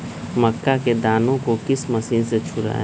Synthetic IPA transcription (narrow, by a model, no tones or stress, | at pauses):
mɐkːaked̪aːnõkokɪsmɐsiːnset͡ʃʰʊɾa̰ː